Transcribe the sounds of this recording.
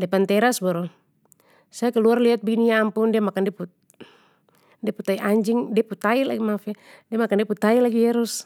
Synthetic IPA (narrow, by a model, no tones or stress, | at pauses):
dɛpant̪ɛɾasbɔɾɔ | sajakɛluarliat̪̚biniaːmpuŋdiamakandɛpu | diaput̪aiʔaɲd͡ʒiŋdiput̪aila̰ɡimafadiamakandiɛput̪ailaɡiɛɾus